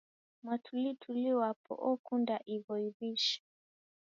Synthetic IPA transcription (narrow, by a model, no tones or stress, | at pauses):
mwatʰulitʰuliwapɔ̰ʔɔkundaʔivɔiviʃḁ